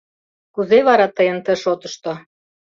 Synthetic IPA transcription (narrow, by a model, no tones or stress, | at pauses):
kuzeβɑɾɑt̪əjə̆nt̪ə̆ʃot̪ɤ̆ʃt̪o